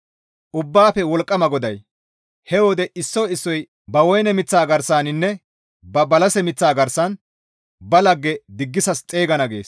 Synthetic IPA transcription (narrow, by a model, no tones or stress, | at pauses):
ʔʊbːaːpɛwɔlkʼːɐmɐɡɔd̪ɐj | hɛwɔd̪ɛʔɪsːɔɪsːɔj | bɐwɔjnɛmɪt͡sːaːɡɐɾsaːnɪnːɛ | bɐbɐlɐsɛmɪt͡sːaːɡɐɾsɐn | bɐlɐɡːɛd̪ɪɡːɪsɐst͡sʼe̞ːɡɐnɐɡe̞̰ːs